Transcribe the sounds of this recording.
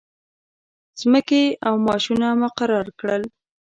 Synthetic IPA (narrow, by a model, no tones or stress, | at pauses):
z̥məkeawmɑʃunamʊqaɾɑɾkɽəl